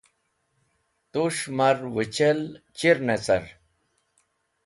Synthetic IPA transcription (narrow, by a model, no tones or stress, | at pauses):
t̪uʂmɐɾwət͡ɕɐlt͡ɕiɾnet͡sɐ̰ɾ